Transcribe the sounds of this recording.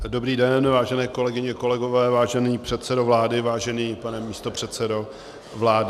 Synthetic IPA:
do̞bɾiːdɛnvaːʒɛnɛːko̞lɛɡɪɲɛko̞lɛɡo̞vɛːvaːʒɛniːpr̥ɛt̪t͡sɛdovlaːdɪvaːʒɛniːpanɛmiːst̪opr̝̥ɛt̪sɛdo | vlaːdɪ

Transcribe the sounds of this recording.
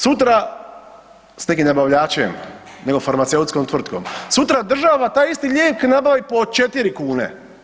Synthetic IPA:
sut̪̬ɾa | snkimnabaʋʎaːt͡ʃem | ne̞ɡo̞faɾmat̪seut̪skomt̪ʋr̩t̪ko̰msut̪ɾad̪r̩ʒaːʋat̪aːjist̪iʎʲeːknabaʋipo̞t͡ʃe̞t̪iɾikuːnḛ

